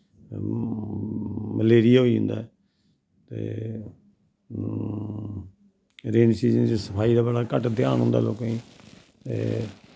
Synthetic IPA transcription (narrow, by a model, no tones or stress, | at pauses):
məleːɾɪjaːɦoːiːɦʊ̃nd̪a̰ːɛ | t̪ḛː | ɾeːnsiːzənd͡ʒesəpʰaːiːd̪aːbəɽaːkəʈd̪ja̰ːnɦõːnd̪a̰ːloːkaĩː | t̪ḛː